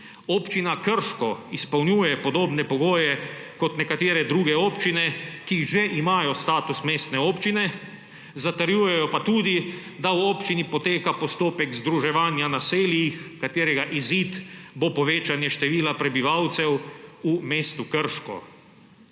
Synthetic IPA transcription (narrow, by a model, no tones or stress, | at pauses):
oːpt͡ʃinakəɾʃkɔispɐwnjuːjɛpɔd̪oːbnɛpɔɡoːjɛkɔt̪nɛkat̪eːɾɛd̪ɾuːɡɛoːpt͡ʃinɛkiʒɛʔimaːjɔst̪aːt̪usmeːst̪nɛoːpt͡ʃinɛ | zat̪əɾjuːjɛjɔpat̪uːd̪i | d̪awoːpt͡ʃinipɔt̪eːkapɔst̪oːpɛkzd̪ɾuʒɛʋaːnjanaseːljixkat̪eːɾɛɡaʔiziːt̪bopɔʋeːt͡ʃanjɛʃt̪ɛʋiːlapɾɛbiʋawt̪sɛwumeːst̪ukəɾʃkɔ̰